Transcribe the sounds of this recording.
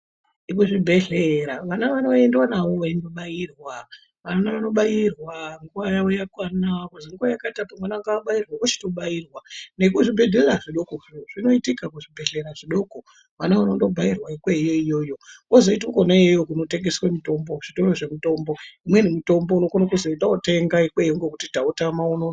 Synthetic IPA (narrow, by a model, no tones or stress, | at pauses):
ikuʐibʱe̞ɮeɾaʋanaʋanoendwanaʋo̞ʋaindoɓajirwa | ʋanaʋano̞ɓajirwaŋɡuwajawojakwanakuziŋɡuwajakatapamwanaaŋɡaɓajirwakot͡ʃi̥to̞ɓajirwanekuʐibʱe̞dʱeraʐiɗo̞koʐino̞itikakuʐibʱe̞ɮe̞ɾaʐiɗo̞ko | ʋanaʋanondo̞bʱairwaikwejo̞ijo̞jo̞wozo̞itukonajejokuno̞te̞ŋɡe̞swemito̞mbo̞ʐ̥itoroʐe̞mito̞mbo̞imwe̞nimuto̞mbouno̞konakuzoitaote̞ŋɡaikwejoŋɡokutitaotamauno